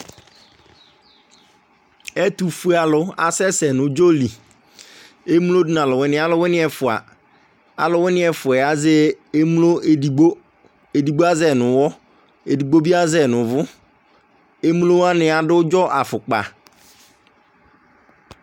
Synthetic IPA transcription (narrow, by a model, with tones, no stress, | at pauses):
ɛ˦tu˨fu˦a˨lʊ˨a̰˨sɛ˦sɛ˨nʊ̃˨d͡ʒo˦li˨ | e˦mũ˦lo˦dʊ˨n˨ã˨lʊ˨wʊ˦nɪ̃˦a˦lʊ˦wʊ˦nɪ̃˦ɛ˨fʊ˨a̰˨ | a̰˨lʊ˨wʊ˦nɪ̃˦ɛ˨fʊ˨ɛ˨a˨zɛ˦e˦mu˦lo˦˨ɡ͡bo˦ | e˨di˨ɡ͡bo˦a˦zɛ˨nʊ̃˨wɔ˦ | e˨di˨ɡ͡bo˦bi˦a˦zɛ˨nʊ̃˨vʊ˦ | e˦mu˦lo˦wa˦nɪ̃˨a˨dʊ˦ʊ˦d͡ʒɔ˦ʔa˨fʊ˨k͡pa̰˨